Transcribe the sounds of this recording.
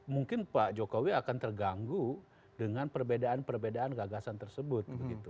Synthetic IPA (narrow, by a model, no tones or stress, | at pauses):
muŋkɪnpad͡ʒokowiakant̪ərɡaŋɡu | dəŋanpərbedaanpərbedaanɡaɡasant̪ərsəbʊt̪̚bəɡit̪u